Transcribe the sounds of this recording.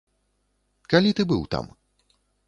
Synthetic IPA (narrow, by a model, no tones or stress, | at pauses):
kalʲit̪ɨbɨwt̪a̰m